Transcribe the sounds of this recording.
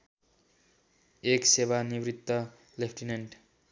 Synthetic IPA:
eksebanibrit̪ːʌ | lepʰʈineɳɖ

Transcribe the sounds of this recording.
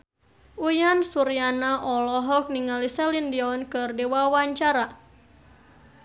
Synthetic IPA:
ujansuɾianaʔɔlɔɦɔk̚niŋalisɛlindiɔnkɨrdewawaɲt͡ʃaɾa

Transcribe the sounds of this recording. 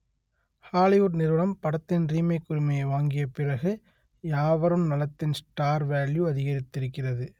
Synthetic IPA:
haːlɪʋʊʈnɪɾʋɐɭɐmpɐɽɐt̪ːɪnɾiːmɐɪkːʊɾɪmɐjɐɪʋaːŋɡɪjɐpɪɻɐɣɯ | jaːʋɐɾɯmnɐlɐt̪ːɪnsʈaːɾʋaːljuɐðɪɣɐɾɪt̪ːɪɾɯkːɪrɐðɯ

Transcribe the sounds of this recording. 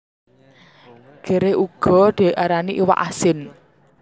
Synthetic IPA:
ɡ̥e̤ɾeʔuɡ̥ɔ̤d̪̥i̤ʔaɾaniʔiwa̰ʔasɪn

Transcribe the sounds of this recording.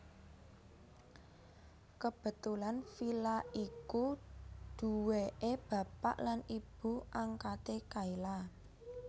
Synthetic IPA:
kəb̥ə̤t̪ulanfilaikud̪̥ṳweʔeb̥ä̤pa̰ʔlanib̥ṳʔaŋkat̪ekaila

